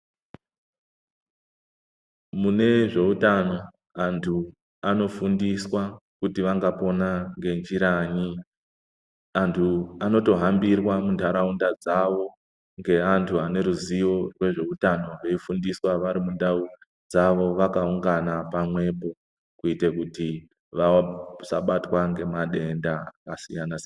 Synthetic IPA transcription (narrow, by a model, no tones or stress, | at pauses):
mune̞ʐe̞utano̞ | antʰu | ano̞fundiswakutiʋaŋɡapo̞naŋɡe̞nd͡ʒiɾaɲi | antʰuano̞to̞ɦambirwamuntʰaɾaundad͡zaʋo̞ | ŋɡe̞antʰuane̞ɾuzijo̞rwe̞ʐe̞utano̞re̞ifundiswaʋaɾimundau | d͡zaʋo̞ʋakauŋɡanapamwe̞po̞ | kuitekuti | ʋasaɓatwaŋɡe̞maɗe̞ndaakasijanase